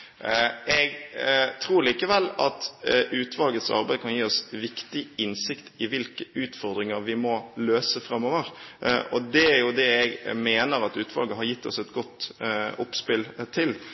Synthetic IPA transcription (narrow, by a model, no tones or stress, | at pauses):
ɛɡt̪ʰɾuːɾliːkəʋɛlːɑt̪ʉːt̪ʰʋɑlɡəsɑ̰ɾbæɪkʰɑnjiːɔsʋɪkt̪ɪɪnsɪkt̪ɪʋɪlkəʉːt̪fɔɾd̪ɾɪŋəɾʋɪmɔløːsəfɾɑmːoːʋəɾʔɔ̰d̪ɛæɾjʊd̪ɛɛɡmeːnəɾɑt̪ʉːt̪ʋɑ̰lɡəɦɑɾjɪt̪ːɔ̰sɛt̪ɡɔt̪ːɔpspɪlt̪ʰɪl